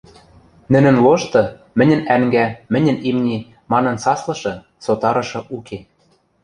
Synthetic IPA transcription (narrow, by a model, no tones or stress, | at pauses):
nɘ̆nɘ̆nloʃt̪ɤ̆mɘ̆nʲɘ̆næŋɡæmɘ̆nʲɘ̆nimnʲi | mɑnɤ̆nsɑslɤ̆ʃɤ̆ | sot̪ɑɾɤ̆ʃɤ̆ʔukʰe